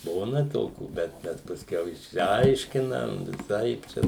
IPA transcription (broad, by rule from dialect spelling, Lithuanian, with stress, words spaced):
ˈbuːnɐ ˈtoːkʲuː ˈbʲɛt bʲɛt pɐsʲˈkʲɛʊ ɪʃʲsʲɪˈɐɪʃʲkʲɪnɐm ʋʲɪˈsɐɪp ˈt͡ʃʲɛ